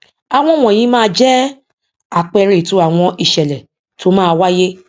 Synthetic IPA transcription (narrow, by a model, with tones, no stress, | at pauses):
a˨w̃ɔ̃˧˨w̃ɔ̃˨j̃ĩ˨˦mãː˦˧˦d͡ʒɛ˦ | a˨k͡pɛ˧ɾe˨to˨˦a˦˨w̃ɔ̃˧i˨ʃɛ˨lɛ˨ | to˦mãː˦˧wa˦je˦